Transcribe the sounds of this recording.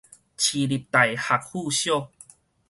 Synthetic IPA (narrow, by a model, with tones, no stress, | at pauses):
t͡ɕʰi˨˧li˨˩p̚t̪a˨˩jha˨k̚hu˥˧ɕjo˥˧˨